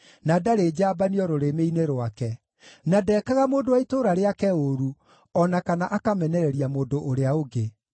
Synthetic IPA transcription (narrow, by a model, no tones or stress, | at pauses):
nadaɾeːd͡ʑaːbaniɔɾoɾemeineɾowakɛ | nadɛːkaɣamoːndowaitoɾaɾeakɛoɾu | ɔnakanaʔakamɛnɛɾɛɾiamoːndoʔoɾeaoɡe